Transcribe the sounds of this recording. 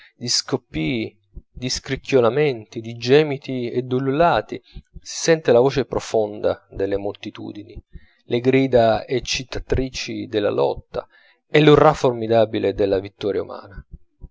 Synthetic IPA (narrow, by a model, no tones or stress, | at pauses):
d̪iskopːiː | d̪iskɾikːjolamɛnt̪id̪id͡ʒɛːmit̪ied̪ːululaːt̪isi̥sɛnt̪elavoːt͡ʃepɾɔfond̪a̰d̪elːemolt̪it̪ṵːd̪ini | leɡɾiːd̪aet͡ʃːit̪ːat̪ɾiːt͡ʃid̪elːa̰lɔ̰t̪ːa̰ | ɛlːuraformid̪aːbilʔed̪elːavit̪ːɔːɾjaṵma̰ːna